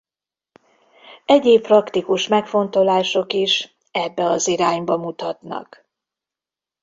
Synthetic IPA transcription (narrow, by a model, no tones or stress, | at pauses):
ɛɟeːpprɒkt̪ikuʃmɛkfo̞nt̪o̞laːʃo̞kiʃ | ɛbːɛɒziɾaːɲbɒmut̪ɒt̪nɒ̰k